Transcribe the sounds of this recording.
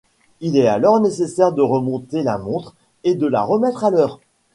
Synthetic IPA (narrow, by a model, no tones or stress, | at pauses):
ilɛalɔʁnesesɛʁd̪əʁəmɔ̃t̪elamɔ̃t̪χ | ed̪əla̰ʁəmɛt̪χalœːʁ